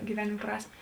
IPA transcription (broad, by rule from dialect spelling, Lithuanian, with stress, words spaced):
ɡʲɪˈʋʲæːnʲeːm ˈprɑːsʲmʲeː